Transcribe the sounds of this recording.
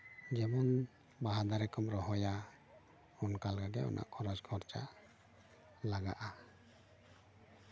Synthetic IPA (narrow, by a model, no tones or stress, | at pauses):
d͡ʒɛmɔn | baɦad̪aɾɛkɔmɾɔɦɔja | ɔnkalɡaɡɛɔ̰nʔa̰ʔkʰɔɾɔd͡ʒɡʰʱɔɾt͡ʃa̰ʔ | laɡaʔa